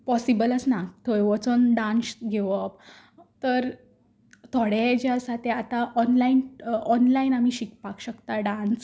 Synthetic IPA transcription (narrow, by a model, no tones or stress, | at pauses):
pɔsibələt͡snakt̪ʰojʋɔt͡sonɖãnsɡeʋəp | t̪əɾ | t̪ʰɔɽed͡ʑasat̪eat̪aʔɔnlainɔnlainam̤iːɕikpakɕəkt̪aɖãns